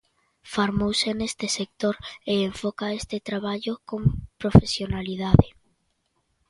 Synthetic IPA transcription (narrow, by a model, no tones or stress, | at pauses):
foɾmowsenest̪esek̚t̪oɾeːɱfokaest̪et̪ɾaβaʎokompɾofesjonalið̞aðe